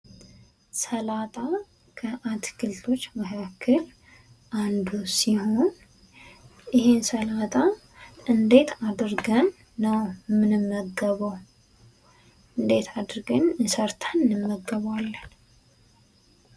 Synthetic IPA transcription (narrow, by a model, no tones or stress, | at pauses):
səlat̪ʼa | kʰəʔat̪kɨlt̪ʰo̞t͡ʃːməkʰakʰːəl | ʔand̪usiho̞n | jɪhensəlat̪ʼa | ʔɨnd̪e̞t̪ʰad̪ɨɾɡənː | əwmɨnɨmːəɡəβəw | ɨnd̪e̞t̪ʰad̪ɾɡənnsəɾt̪ʰənːɨmːəɡːəβwalːən